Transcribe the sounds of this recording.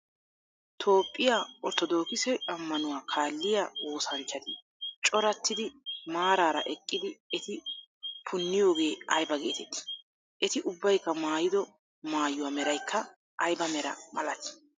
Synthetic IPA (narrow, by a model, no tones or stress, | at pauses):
t̪ʰo̞ːpʼːɪjaːɔt̪ɔd̪o̞ːkɪsɛɐmːɐnʊwaːkʰaːlːɪjao̞ːsɐnt͡ʃːɐt̪ɪ | t͡ʃʼɔɾɐt̪ːɪd̪ɪmaːɾaːɾɐ̰ʔɛkʼːɪd̪ɪɛt̪ɪ | pʰʊnːɪjo̞ːɡe̞ːɐjbɐɡe̞̰ːt̪ɛt̪ːɪ̥ | ʔɛt̪ɪʔʊbːɐjkːɐmaːjɪd̪ɔ | maːjːʊwaːmɛɾɐjkʰːɐ | ʔɐjbɐmɛɾɐ̰mɐlɐt̪ɪ̥